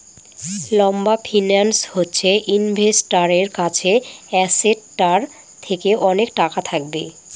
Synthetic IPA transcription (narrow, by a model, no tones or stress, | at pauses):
lɔmbafʰinanshotːɕʰeʔinbʱesʈaɾeɾkat͡ɕʰeɛseɖ̚ʈaɾ | t̪ʰekeʔɔnek̚ʈakat̪ʰak̚be